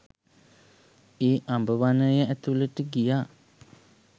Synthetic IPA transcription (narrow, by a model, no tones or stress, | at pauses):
eːʔambəʋanəjəæt̪uləʈəɡijaː